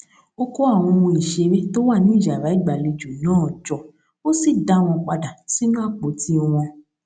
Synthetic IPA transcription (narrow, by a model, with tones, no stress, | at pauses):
o˧ko˦a˦˨w̃ɔ̃˧mɔ̃˧i˨ʃe˨˧ɾe˦to˦wa˦˨nĩ˨˦˨ʃa˨ɾa˨˦i˦˨ɡ͡ba˨le˧d͡ʒu˨nãː˦˨d͡ʒɔ˨ | o˦si˦˨da˨˦w̃ɔ̃˧k͡pa˧da˨ti˦mãː˦˨k͡po˨˦ti˦ɔ˧w̃ɔ̃˧